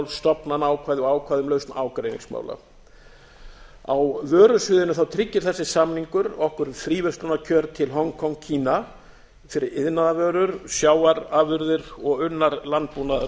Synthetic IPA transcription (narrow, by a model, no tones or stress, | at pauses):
lst̪ɔpnanaːwkʰvaːjðɪɔaːwkʰvaːjðʏmlœɥst̪naːwkɾejnḭŋsma̰ːwla̰ | awvœːɾʏsʏːðɪnʏθawt̪ʰɾɪcːɪɾ̥θɛsːɪsamniŋkʏɾɔhkʏɾθɾiːvœst̪ʏnacʰœɾt̪ʰɪlɦɔŋkʰɔŋcʰiːna | fɪɾɪɾɪðnaðavœːɾʏɾsjaːwaɾaːvʏɾðɪɾɔɣʏnːaɾlant̪̚puːna